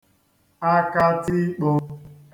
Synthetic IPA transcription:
a˦ka˦ti˦k͡po˦

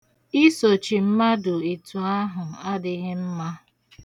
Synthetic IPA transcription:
i˦so˨t͡ʃi˨m̩˦ma˦dʊ˨i˨tu˨a˦ɦʊ˨a˦dɪ˦ɣɪ˦m̩˦ma˦

